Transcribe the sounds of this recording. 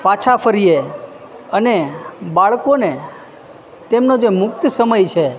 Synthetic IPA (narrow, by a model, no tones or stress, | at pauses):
pat͡ʃʰafʰəɾije | ənebaɭkone | t̪emnod͡ʒemʊkt̪əsəməjt͡ʃʰe